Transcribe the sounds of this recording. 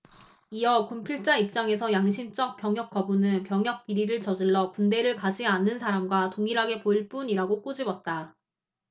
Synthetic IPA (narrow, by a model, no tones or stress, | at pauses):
iʌkumpʰiɭt͡ɕ͈aip̚t͡ɕ͈aŋe̞sʰʌjaŋɕʰint͡ɕ͈ʌk̚p͈jʌŋɦjʌk͈̚ʌbunɯnpjʌŋjʌk̚p͈iɾiɾɯɭt͡ɕʌd͡ʑiɭːʌpunde̞ɾɯɭkad͡ʑianːɯnsʰaɾamɡwatoŋiɾɦaɡe̞poiɭp͈uniɾaɡok͈od͡ʑibʌt̚t͈a